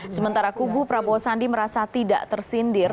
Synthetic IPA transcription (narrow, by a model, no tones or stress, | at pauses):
səmənt̪aɾakubupɾabɔsandiməɾasat̪ida̰ʔt̪ərsindɪr